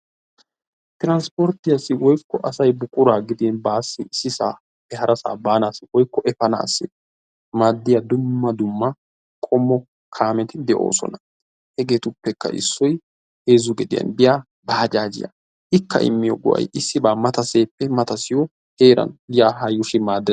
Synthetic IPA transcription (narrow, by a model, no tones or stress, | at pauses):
t̪ɪɾɐnspɔɾt̪ɪjɐsɪwɔjkːɔʔɐsɐjbʊkʼʊɾaːɡɪd̪inbaːsːɪsɪsaː | ɛhɐɾɐsa̰ːbaːnaːsɪwɔjkːɔʔɛfɐna̰ːsːɪ | maːd̪ːɪjɐd̪ʊmːɐd̪ʊmːɐ | kʼɔmːɔ | kʰaːmɛt̪ɪd̪ɛʔo̞̰ːsɔ̰nɐ̥ | hɛɡe̞ːt̪ʊpːɛkːɐ̰ʔɪ̰sːɔj | he̞ːzʊɡɛd̪ɪjɐ̰nbɪjaː | baːd͡ʒaːd͡ʒɪ̰jɐ̰ | ʔɪkːɐ̰ʔɪ̰mːɪjɔɡʊ̰ʔɐ̰jɪsːɪbaːmɐt̪ɐse̞ːpːɛmɐt̪ɐsɪjɔ | he̞ːɾɐ̰njaːɦɐjːʊʃɪmaːd̪ːɛ